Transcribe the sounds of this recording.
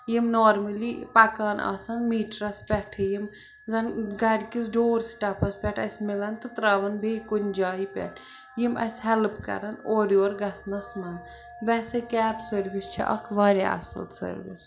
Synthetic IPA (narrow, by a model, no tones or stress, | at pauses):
jimnoːɾməlipɐkaːna̰ːsɐnmiːʈɾɐspʲɛʈʰjim | zɐnɡɐɾʲkisɖoːɾsʈɐpʰɐspʲɛʈʰɐsʲmilɐnt̪ɨt̪ɾaʋɐnbʱeːkunʲd͡ʒaːipʲɛ̰ʈʰ | jimɐ̰shɛlpkɐ̰ɾɐnoːɾioːɾɡɐsnɐsmɐn | ʋɛsekɛːpsəɾʋist͡ʃʰḭʔɐ̰kʰʋaɾʲa̰ɐ̰sɐ̰lsə̰ɾʋḭs